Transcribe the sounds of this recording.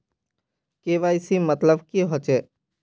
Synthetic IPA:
keːʋaɪsimət̪ləbkiɦoːt͡ʃeː

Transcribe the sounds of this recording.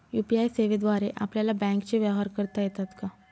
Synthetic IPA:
juːpiaːjseːʋed̪ʋwaːɾeʔa̰plelabɛ̃ːŋkt͡ʃeʋjaʋɦaːɾkəɾt̪aɦɛt̪at̪ka

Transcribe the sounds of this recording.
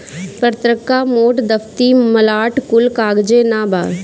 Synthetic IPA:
pət̪ɾəkːamoːʈd̪ɐft̪imɐlaːʈkʊlkaːɡd͡ʒenaːba̰ːɾ

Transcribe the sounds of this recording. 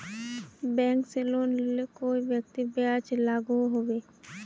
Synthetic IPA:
bɛ̃ːŋkseloːnlekoːiʋjək̚t̪ibejaːd͡ʒlaːɡuɦoːʋeː

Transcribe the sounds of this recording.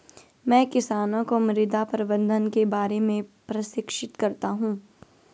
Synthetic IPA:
mɛ̃ːkɪsaːnõkomɾɪd̪apɐɾɪbə̃nd̪ʱənkebaːɾemẽpɾɐsɪkʃɪt̪kɐɾt̪aɦũː

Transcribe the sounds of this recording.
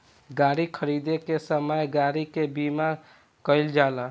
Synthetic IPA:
ɡaːɾikʰəɾid̪ekesəməjɡaɾikebima | kəɪld͡ʒala

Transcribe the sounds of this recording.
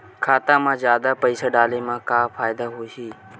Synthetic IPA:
kʰaːt̪ãːmãːzjaːd̪aːpəiːsaːɖaːleːmãːkaːfaːɪd̪aːɦoːɦiː

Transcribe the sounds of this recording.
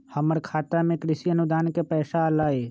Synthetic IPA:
həməɾkʰaːt̪amẽkɾɪsiənʊd̪aːnkepɛːʃalaːeː

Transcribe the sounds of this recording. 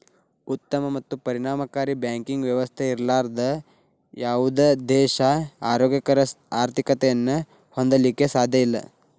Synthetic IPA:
ut̪ːɐmɐmɐt̪ːupɐɾiɳaːmɐkaːɾibjaːŋkiŋɡʋjɐʋɐst̪ʰeiɾlaːɾd̪ɐ | jaːʋud̪ed̪ɛːʃɐaːɾoːɡjɐkɐɾɐ | aːɾt̪ʰikɐt̪ɛjɐnːu | hond̪ɐlikːe̞saːd̪ʱjɐilːɐ̰

